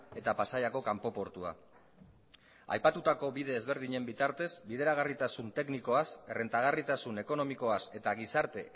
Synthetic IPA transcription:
e̞t̪apasajako̞kampo̞po̞ɾt̪ua̰ | a̰jpat̪ut̪ako̞βiðe̞ːzβe̞ɾð̞iɲe̞mbit̪aɾt̪e̞zbiðe̞ɾaɣ̞arit̪asunt̪e̞kniko̞asere̞nt̪aɣ̞arit̪asune̞ko̞no̞miko̞ase̞t̪aɣisaɾt̪e̞

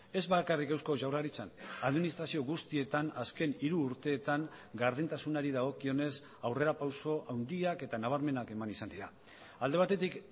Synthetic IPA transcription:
e̞zβakarikewsko̞ʝawraɾit͡sanaðminist̪ɾasio̞ɣust̪ie̞t̪anaske̞niɾuːɾt̪e̞ːt̪aŋɡaɾðint̪asunaɾiðaɣ̞o̞kio̞ne̞s | awre̞ɾapawso̞ʔawnd̪iake̞t̪anaβ̞aɾme̞nake̞manisand̪iɾa | ald̪e̞βat̪e̞t̪ik

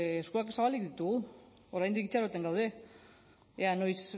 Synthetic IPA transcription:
eskuak̬esaβalik̚ðit̪uɣu | oɾajnd̪ikit͡ʃaɾot̪e̞ŋɡawð̞e̞ | eano̞js

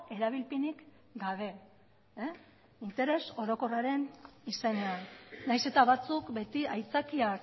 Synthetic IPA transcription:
e̞ɾaβ̞ilpinik | ɡaβ̞e̞ | int̪e̞ɾe̞so̞ɾo̞ko̞raɾe̞nise̞ne̞annajse̞t̪aβat͡sukbe̞t̪iajt͡sakiak

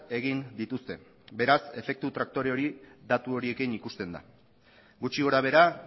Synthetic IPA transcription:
e̞ɣind̪it̪ust̪e̞̰ | be̞ɾase̞fe̞k̚t̪ut̪ɾak̚t̪o̞ɾe̞o̞ɾid̪at̪uo̞ɾie̞kinikust̪e̞nd̪a̰ | ɡut͡ʃiɣo̞ɾaβe̞ɾa

